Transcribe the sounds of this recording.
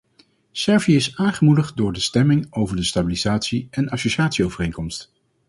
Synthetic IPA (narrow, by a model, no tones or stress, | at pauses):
sɛɹviɪsaːŋχəmudəχt̚dʊːɹdəstɛmɪŋowvəɹdəstabilizaːtsiʔɛnɑsoʃaːtsiowvərejŋkɔmst